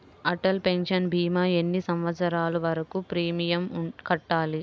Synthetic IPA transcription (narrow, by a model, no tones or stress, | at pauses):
ɐʈɐlpe̞nʃɐnbʱiːmɐːenːisɐmʋɐt̪sɐɾaːluʋɐɾɐkupɾiːmijɐmkɐʈːaːli